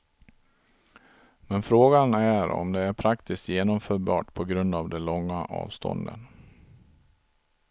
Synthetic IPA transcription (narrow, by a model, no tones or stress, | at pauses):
mɛnfɾoːɡanæɾɔ̰md̪ɛæɾpʰɾakt̪ɪskt̪jeːnɔmfœːɾbɑ̰ːʈpʰɔɡɾɵnd̪avd̪ɛlɔŋːaʔɑ̰ːvst̪ʰɔ̰nd̪ə̰n